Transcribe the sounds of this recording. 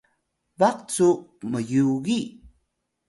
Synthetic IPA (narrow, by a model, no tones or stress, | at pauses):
vaqt͡suʔməjuɣi